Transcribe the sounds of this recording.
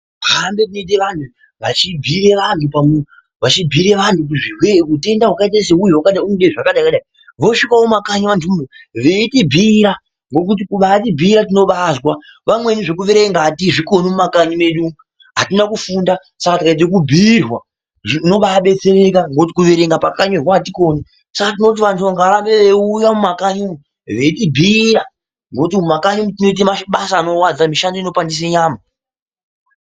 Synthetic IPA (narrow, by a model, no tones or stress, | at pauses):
ɦambe̞tinoit̬e̞ʋantu | ʋat͡ʃibʱiɾe̞ʋantʰupamu | ʋat͡ʃibʱiɾe̞ʋantuk̬uʐiɦwekute̞ndaɦwakait̬as̬eujuwakaɗaiunuɗeʐakaɗaikaɗai | ʋo̞ʂikawomakaɲaʋantʰumumeʋeitibʱiɾa | ŋɡo̞kut̬ikuɓatibʱiɾatino̞ɓazwa | ʋamwe̞niʐe̞kuʋeɾe̞ŋɡatiʐiko̞nomumakaɲime̞ɗu | ɦatinakufunda | sakatikat̬ekubʱirwa | ʐino̞ɓaɓe̞t͡se̞ɾe̞kaŋɡot̬i̥kuʋeɾe̞ŋɡapakaɲorwatiko̞ni | sakatino̞t̬iʋantʰuaŋɡaɾambeʋeujamumakaɲumu | ʋe̞tibʱiɾa | ŋɡo̞timumakaɲumutino̞it̬emaʃɓasaːno̞wad͡zamiʃandoino̞pandis̬eɲaːma